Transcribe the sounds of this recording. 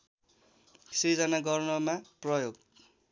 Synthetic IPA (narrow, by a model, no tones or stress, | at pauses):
sid͡zʌnaɡʌrnʌmaprʌjoɡ